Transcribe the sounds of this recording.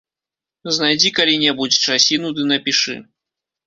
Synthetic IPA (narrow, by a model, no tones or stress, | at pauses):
znajd͡zʲikalʲinʲɛbut͡sʲt͡ʂasʲinud̪ɨnɐpʲiʂɨ̰